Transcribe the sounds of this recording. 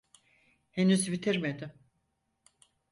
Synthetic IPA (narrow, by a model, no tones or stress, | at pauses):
henyzbit̪ʰiɾmed̪ɪm